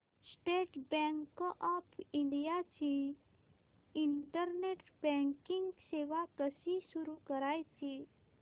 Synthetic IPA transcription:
sʈeʈbɛ̃ŋkʔɔpʰiɳɖijat͡ɕi | ɳʈəɾneʈbɛ̃ŋkiŋɡseʋat̪əsisuɾukəɾajt͡ɕi

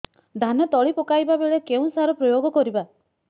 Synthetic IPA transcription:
d̪ʱanɔt̪ɔɭipɔkajbabeɭekeũsaɾɔpɾɔjoɡɔkɔɾiba

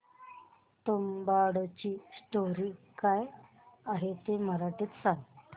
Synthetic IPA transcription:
t̪ombaɽt͡ɕiːsʈoɾiːkaj | aɦet̪eməɾaʈeːt̪saŋt

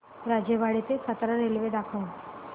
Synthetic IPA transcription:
ɾad͡ʑjəbaɽit̪ekʰat̪ɾaɾelʋed̪akʰəun

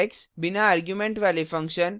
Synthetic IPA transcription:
eksbinaaɾɡjumẽɳʈʋalifɐ̃ŋkʃən

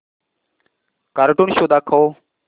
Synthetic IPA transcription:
kaɾʈunʃoːd̪aːkʰoː

